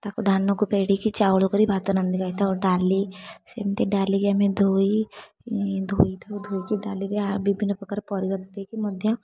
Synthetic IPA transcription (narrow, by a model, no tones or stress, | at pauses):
t̪aːkud̪ʱaːnːõkupeːɽikit͡ʃaːwlokəɾibʱaːt̪ɐnɐnd̪ikait̪ʰaɔɖaːlisemt̪eɖaːliɡjamẽd̪ʱoːi | d̪ʱoːid̪od̪ʱoːikiɖaːliɾeabibʱinəpɐkəɾpɔːɾibɐbt̪ekimʊd̪ʱjã